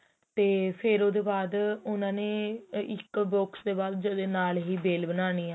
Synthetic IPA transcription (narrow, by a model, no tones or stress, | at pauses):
t̪eːpʰɪɾoːd̪eːbaːd̪ʊnãːneːɪkboːksd̪eːbaːld͡ʒod̪eːnaːlɦiːbeːlbənaːniːaː